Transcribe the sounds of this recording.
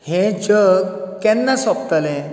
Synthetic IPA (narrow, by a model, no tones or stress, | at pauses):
hẽd͡ʑəkkːɛnːasɔp̚t̪əlẽ